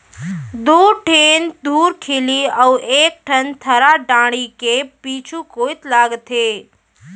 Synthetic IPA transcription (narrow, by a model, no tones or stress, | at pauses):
d̪uːɾʈʰeːnd̪uːɾkʰeliəweːk̚ʈʰənt̪ʰəɾaɖãːɽ̃ikepiːt͡ʃʰukoːit̪laːɡt̪ɦeː